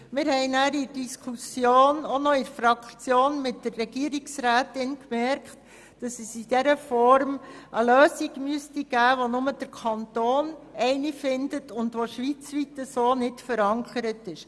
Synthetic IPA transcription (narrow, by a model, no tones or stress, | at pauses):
mɪːɾhɛɪnæːɾɪɾd̥iskʰusjoːnonɔɪɾfɾɑkt͡sjoːnmɪt̚dərːɛɡiəɾiksɾæːtɪnkmɛɾkχt | d̥ɑsəsidɛɾəfɔɾmʔəløːsiɡmyəstiɡ̥æːʋonʊməd̥əɾkʰɑntoːnɛɪnifɪndətʊndʋoʃʋit͡sʋitəsoːnɪtfəɾɑŋkʰəɾətɪʃ